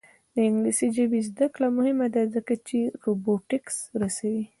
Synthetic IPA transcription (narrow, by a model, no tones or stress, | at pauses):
d̪̥əɪŋɡlisid͡ʒabizd̪əklamʊhɪmad̪azəkat͡ʃeɾoboʈɪksɾasawi